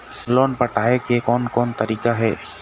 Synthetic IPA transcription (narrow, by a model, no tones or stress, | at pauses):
lɔnpaʈʰaɦɛkɛkɔnkɔnt̪aɾikaɦɛ